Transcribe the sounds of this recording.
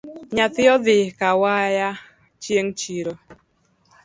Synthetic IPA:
ɲat̪ɪɔðɪkawaja | t͡ʃjeŋt͡ʃiɾo

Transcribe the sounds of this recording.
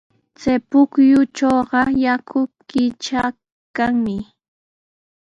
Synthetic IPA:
t͡sajpʊkjʊt͡ʃoːɢɑjakʰʊkɪt͡ʃa | kaŋmɪ

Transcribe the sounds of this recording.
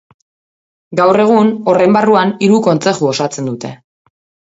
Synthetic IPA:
ɡawre̞ɣ̞uno̞rejmbaruaniɾuko̞nt͡se̞xuo̞sat͡se̞nd̪ut̪e̞̰

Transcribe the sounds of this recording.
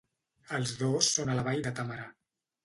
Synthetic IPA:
əlˠzðosːonələβajd̪ət̪aməɾa

